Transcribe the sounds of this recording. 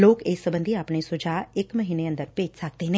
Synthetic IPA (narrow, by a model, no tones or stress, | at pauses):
loːkeːsːəbə̃nd̪ʱiaːpɳ̃esʊd͡ʒaːɪkməɦiːneənd̪əɾpeːd͡ʒsək̚t̪enẽː